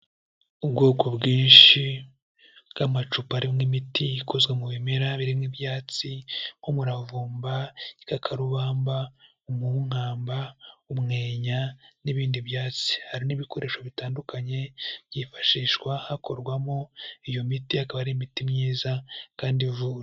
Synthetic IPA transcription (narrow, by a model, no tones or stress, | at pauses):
ubɡoːko̞bɡiːnʃi | ɡ̥amat͡ʃupaɾimŋimitiikʰozɡwemuβimeɾaβiɾimŋibjaːt͡siŋ̥omuɾavuːmbaikakʰaɾuβaːmba | umuŋ̥aːmbaumŋe̞ːɲaniβiːndiβjaːt͡si̥haɾiniβiko̞ɾe̞ːʃoβitaːndukʰaɲe̞βjifḁʃiːʃkwahako̞ɾɡwamo̞ijo̞mitihakaβaɾimitimɲiːzakaːndivuːɾ